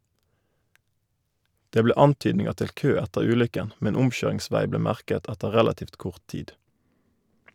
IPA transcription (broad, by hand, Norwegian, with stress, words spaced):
ˈdeː ˈbleː ˈɑntyːdnɪŋəʁ ˈtɪl ˈkøː ˈɛtəʁ ˈʉːlʏkən ˈmɛn ˈʊmˌçøːʁɪŋˌsʋæɪ ˈbleː ˈmæʁkət ˈɛtə ˈʁɛlɑtiːft ˈkʊʁt ˈtiːd